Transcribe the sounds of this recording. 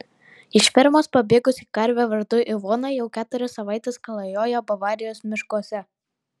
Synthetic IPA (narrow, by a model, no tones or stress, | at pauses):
ɪʃʲʋʲɪɾmoːspɐbʲeːɡʊsikɐɾʲʋʲɛʋɐɾd̪ʊʔɪʋɔːnɐɪjɛʊkʲæːt̪ʊɾʲɪsːɐʋɑːˑɪt̪ʲɛskɐlˠɐjoːjobɐʋɑːɾʲɪjoːsmʲɪʃkuɔsʲɛ